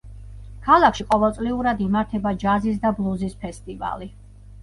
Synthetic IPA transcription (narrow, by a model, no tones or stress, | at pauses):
kʰalˠakʰʃiqʼɔvɛlˠt̪sʼliuɾad̪imaɾt̪ʰɛbad͡ʒazis̬d̪ablˠuzispʰɛst̪ʼiva̰li